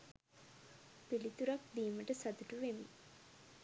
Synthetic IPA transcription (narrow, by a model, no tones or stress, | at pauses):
pilit̪uɾak̚d̪iːməʈəsat̪uʈuʋemi